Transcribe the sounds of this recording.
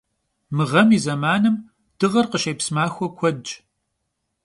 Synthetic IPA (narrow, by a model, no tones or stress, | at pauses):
mɨʁɐmizɐmaːnɨm | d̥ɨʁɐrqəʃejpsmaːxʷɔkʷʰɔdd͡ʒ